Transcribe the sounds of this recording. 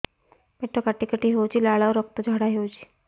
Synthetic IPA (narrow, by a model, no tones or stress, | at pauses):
beʈʰːəkaʈikəʈiːɦewt͡ɕiːlaɭaʋɾək̚t̪əd͡ʑʱaɽaɦewt͡ɕi̥ː